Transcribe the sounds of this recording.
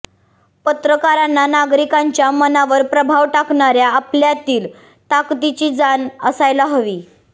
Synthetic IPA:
pət̪ɾəkaɾanːanaɡɾikaɲt͡ɕjamənaʋəɾpɾəbʱaʋʈakɳaɾjaːpljat̪iːl | t̪akt̪it͡ɕiːd͡zanəsajlaɦəʋiː

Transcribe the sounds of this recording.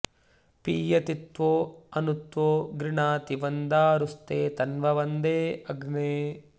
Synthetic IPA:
piːjɐt̪it̪ʋoːɐnut̪ʋoːɡɾiɳaːt̪iʋɐnd̪aːɾust̪eːt̪ɐnʋɐʋɐnd̪eːɐɡneː

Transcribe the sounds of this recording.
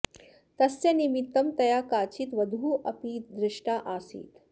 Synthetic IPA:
t̪ɐsːenimit̪ːɐmt̪ɐjakaːt͡ɕiːt̪ʋɐd̪ʱuːʔɐpiːd̪ɾɪʂʈaʔasḭːt̪

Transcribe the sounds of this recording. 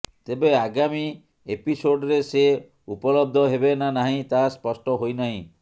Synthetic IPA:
t̪ebeaɡami | episoɖɾese | upɔlɔb̚d̪ʱɔɦebenanaɦĩt̪aspɔsʈɔɦojnaɦĩ

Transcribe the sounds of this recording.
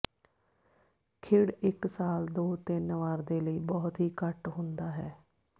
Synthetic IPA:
kʰɪɽɪksaːld̪oːt̪ɪnʋaːɾd̪eːləiːbɔːt̪ɦiːkəʈɦʊ̃nd̪aːɦɛː

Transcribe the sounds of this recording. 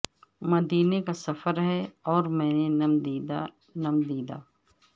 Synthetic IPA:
mɐd̪iːnekasɐfəɾɦɛɔːɾmɛ̃ːnenm | nɐmd̪iːd̪a̰ː

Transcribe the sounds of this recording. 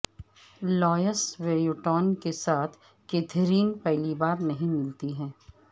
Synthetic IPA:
lɔːjəsʋeːjʊʈɔːnkesaːt̪ʰ | keːt̪ʰɾiːnpɛɦlibaːɾnɐɦĩmɪlt̪iɦɛ̃ː

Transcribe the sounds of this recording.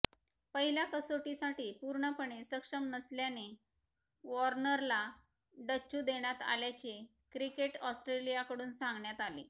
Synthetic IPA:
pəɦiljakəsoʈisaʈiːpuɾɳəpəɳesəkʂəmnəsljane | ʋɔɾnəɾla | ɖət͡ɕːud̪eɳ̃jat̪a̰ljat͡ɕe | kɾikeʈɔsʈɾelijakəɽuːnsãŋɡɳjat̪alḭ

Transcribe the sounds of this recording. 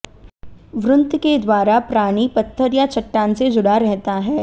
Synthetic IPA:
ʋɾʊnt̪ked̪waːɾapɾaːɽ̃ipɐt̪ʰːəɾjat͡ʃɐʈːaːnsed͡ʒʊɽaɾɛɦt̪aɦɛː

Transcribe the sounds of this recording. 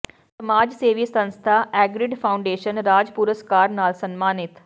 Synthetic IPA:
səmaːd͡ʒseːʋisə̃nst̪ʰaːʔɛːɡɾɪɖpʰaːʊ̃ɳɖeːʃənɾaːd͡ʒpuɾəskaːɾnaːlsənmaːnɪt̪

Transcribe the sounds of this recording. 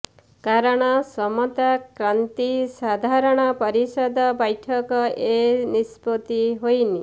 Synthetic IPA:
kaɾɔɽ̃ɔsɔmɔt̪akɾant̪isad̪ʱaɾɔɽ̃ɔpɔɾisɔd̪ʱɔbɔjʈʰɔkɔenispɔt̪iɦojni

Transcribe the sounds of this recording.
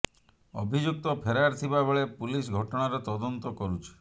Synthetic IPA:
obʱid͡ʒuk̚t̪ɔpʰeɾaɾt̪ʰibabeɭepulis̬ɡʱɔʈɔɽ̃aɾet̪ɔd̪ɔnt̪ɔkɔɾut͡ʃʰi̥

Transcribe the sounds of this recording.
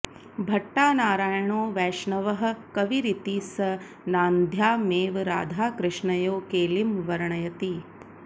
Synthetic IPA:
bʱɐʈːaːnaːɾaːjɐɳoːʋɛːʂɳɐʋɐɦɐ̆kɐʋiɾit̪iːsɐ | naːnd̪ʱjaːmeːʋɾa̰ːd̪ʱaːkɾɪʂɳɐjoːkeːlimʋɐɾɐɳɐjɐt̪i

